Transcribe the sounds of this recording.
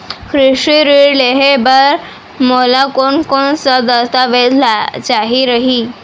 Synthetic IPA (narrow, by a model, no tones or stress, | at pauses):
kʰɾiʂiɾileɦebaɾ | molakonkoɳsəd̪əst̪aʋed̪lat͡ɕaɦiɾəɦi